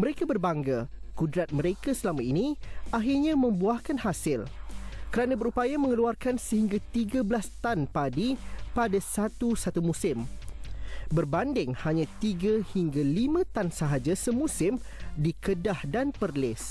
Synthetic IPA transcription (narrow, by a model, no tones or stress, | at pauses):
məɾekabərbaŋɡakudɾat̪̚mə̃ɾekasəlamãiniʔaɦirɲãmə̃mbuahkanhasɪlkəɾanãbəɾupajamə̃ŋəluarkansəɦiŋɡat̪iɡabəlast̪anpadipadasat̪usat̪umũsɪm | bərbandɪŋhaɲãt̪iɡahiŋɡalimãt̪ansəɦad͡ʒasəmũsɪm | dikədahdanpərlɪs